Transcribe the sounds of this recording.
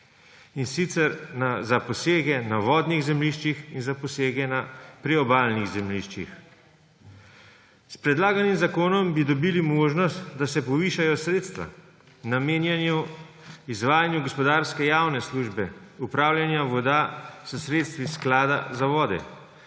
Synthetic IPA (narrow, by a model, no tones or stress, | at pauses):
insit̪sɛɾnazapɔseːɡɛnaʋɔːd̪niɣzɛmliʃt͡ʃixinzapɔseːɡɛnapɾiɔbaːlniɣzɛmliʃt͡ʃḭx | spɾɛd̪laːɡanimzakoːnɔmbid̪ɔbilimoːʒnɔst̪d̪asɛpɔʋiːʃajɔsɾeːt̪st̪ʋa̰ | nameːnjanju | izʋaːjanjuɡɔspɔd̪aɾskɛjawnɛsluːʒbɛupɾaːwlʲjanjaʋɔd̪asəsɾeːt̪st̪ʋisklaːd̪azaʋɔːd̪ɛ̰